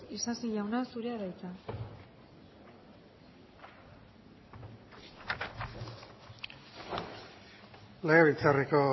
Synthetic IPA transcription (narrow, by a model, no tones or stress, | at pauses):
isasiʎawnasuɾeaðajt͡s̪a | leɣaβit͡sariko̞